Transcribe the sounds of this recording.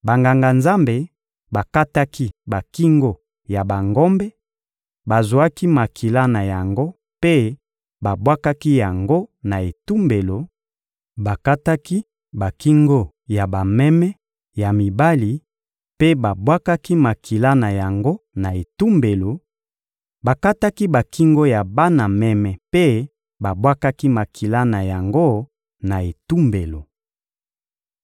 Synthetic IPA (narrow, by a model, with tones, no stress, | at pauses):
ba˨ŋɡa˨ŋɡa˨nza˦mbe˨ | ba˨ka˦ta˦ki˦ba˨ki˦ŋɡo˨ | ja˨ba˨ŋɡo˦mbɛ˦ | ba˨zwa˦ki˦ma˨kʰi˨la˦na˨ja˨ŋɡo˦ | pe˦ | ba˨bwa˦ka˦ki˦ja˨ŋɡo˦na˨e˨tu˦mbe˨lo˨ | ba˨ka˦ta˦ki˦ | ba˨ki˦ŋɡo˦ | ja˨ba˨mɛ˦mɛ˦ | ja˨mi˨ba˦li˨ | pe˦ba˨bwa˦ka˦ki˦ma˨kʰi˨la˦na˨ja˨ŋɡo˦na˨e˨tu˦mbe˨lo˨ | ba˨ka˦ta˦ki˦ba˨ki˦ŋɡo˦ja˨ba˦na˨mɛ˦mɛ˨pe˦ | ba˨bwa˦ka˦ki˦ma˨kʰi˨la˦na˨ja˨ŋɡo˦ | na˨e˨tu˦mbe˨lo˨